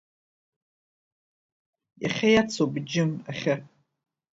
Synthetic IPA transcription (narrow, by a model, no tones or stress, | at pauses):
ja̰χʲajat͡sʰobd͡ʒɪmaχʲa